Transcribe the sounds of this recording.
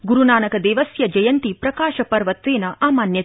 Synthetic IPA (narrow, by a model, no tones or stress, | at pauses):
ɡuɾunaːnɐkɐd̪eːʋɐsjɐd͡ʒɐjɐnt̪ipɾɐkaːʃɐpɐɾʋɐt̪ʋeːnɐʔaːmaːnjɐ